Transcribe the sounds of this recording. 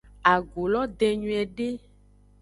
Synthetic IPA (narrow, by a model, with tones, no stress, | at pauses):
a˨ɡo˨lɔ˦d̪e˨ɲũ˨ɛ˨ɖe˦